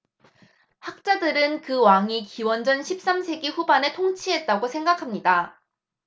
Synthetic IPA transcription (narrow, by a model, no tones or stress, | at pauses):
hak̚t͡ɕ͈adɯɾɯnkɯwaŋikiwʌnd͡ʑʌnɕʰip̚s͈amsʰe̞ɡiɸubane̞tʰoŋt͡ɕʰiɦe̞t̚t͈aɡosʰe̞ŋɡakʰamɲida